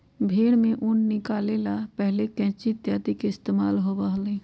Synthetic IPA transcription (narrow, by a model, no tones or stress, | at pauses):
bʱeːɽmẽʔʊnːɪkaːleːlapɛɦlekɛ̃ːt͡ʃɪt̪jaːt̪ikeɪst̪eːma̰ːlɦobaɦlẽː